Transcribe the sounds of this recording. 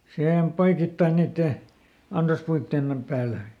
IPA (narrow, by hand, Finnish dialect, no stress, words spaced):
sihem poikitːɑi niːtːeˑ ɑnsɑspuitːeˑn pæːlæ